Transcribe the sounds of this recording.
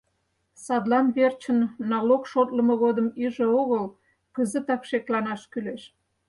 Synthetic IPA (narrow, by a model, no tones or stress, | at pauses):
sɑd̪lɑnβert͡ɕənːɑlokʃot̪lə̆mɤɣod̪əmiʒeoɣəl | kəzə̆t̪ɑkʃeklɑnɑʃkyleʃ